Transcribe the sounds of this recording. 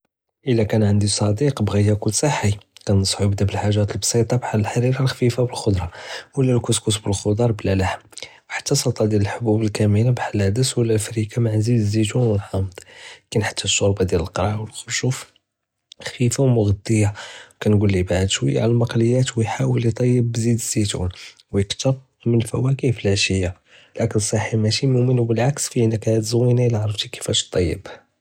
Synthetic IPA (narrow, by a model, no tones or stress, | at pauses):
ʔəlːækænʕənd̪isˤɑd̪iqbɣihækʊlːsˤɑħːikænsˤħujəbd̪abəlħaʒːæt̪əlbsˤit̪ˤɑbaħaləlħaɾiɾalxfifabəlxod̪ɾˤɑwəlːælkʊskʊsbəlxod̪ɑɾˤblælaħmwħḁt̪ːæsˤɑlt̪ˤɑd̪jæləlħobubəlkæminabaħld̪əswəlːæʔfɾikamaʕzid̪zit̪unwəlħɑmd̪ˤkænħḁt̪ʰːæʃːoɾbɑd̪jæləlqɾˤɑʕwəlxʊʃuf | xifawmʊɣəd̪əjːakænɡulːibaʕəd̪ʃwə̰jːa̰ʕləlmɑqləjːæt̪wəjħawəlit̪ˤɑjːəbːzid̪əz̥ːit̪ṵn | wjəkt̪əɾ | mənlfæ̰wækiflæʃəjːa | lækənsˤːɑħimæʃimʊʔmənwbəlʕaksfiʔənːəkːæt̪zəwːinalʕɾˤəft̪ikə̥fæʃt̪ˤːɑjːə̰b